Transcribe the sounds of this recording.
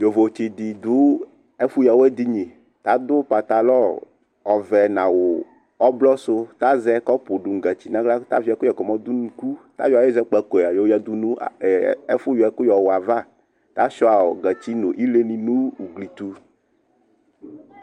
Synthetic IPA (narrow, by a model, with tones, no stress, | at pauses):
jo˨vo˨t͡ɕi˨d̪i˨d̪u˦ | e˦fu˦ja˨wo˦ɛ˦d̪i˦ɲĩ˨ | t̪a˦d̪ʊ˦pa˨t̪a˨lɔ˦ | ɔ˨vɛ˨nã˨wo˨ | ɔ˦blɔ˦so˦t̪a˦zɛ˦kɔ˦po˨ɖu˨ŋ˨ɡɛ˨t͡ɕi˨nã˦ɡla˦t̪a̰˦vi˦a˨˦ku˦jɛ˨kɔ˨mɔ̃˦d̪u˦nũ˦ku˦t̪a̰˦ja˨˦e˦zɛ˦k͡pɛ˨ko˨a˨jo˨˦a˦d̪u˦nũ˦˨e˦fu˦jɔ˨ɛ˦ku˦jɔ˨wa˨va˦ | t̪a˦ʃɔ˦a˨o˨ɡɛ˨t͡ɕi˦no̰˨ʔi˦le˦nĩ˨nũ˦wu˨ɡli˨t̪u˦